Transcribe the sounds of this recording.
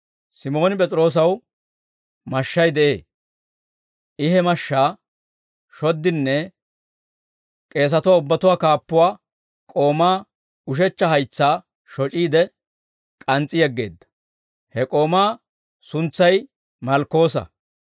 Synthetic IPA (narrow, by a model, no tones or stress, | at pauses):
sɪmo̞ːnɪp̬ʼɛt͡sʼɾo̞ːs̬ɐw | mɐʃːɐjd̪ɛʔe̞ː | ʔɪɦɛmɐʃːaː | ʃɔd̪ːɪnːɛ | kʼe̞ːs̬ɐt̪ʊwaːʊbːɐt̪ʊwaːkaːpːʊwaː | kʼo̞ːmaː | ʊʃ̬ɛt͡ʃːɐɦɐjt͡sːaː | ʃɔt͡ʃʼiːd̪ɛ | kʼɐnt͡sʼːɪjɛɡːe̞ːd̪ːɐ̥ | hɛkʼo̞ːmaː | sʊnt͡sːɐj | mɐlkːo̞ːsɐ̰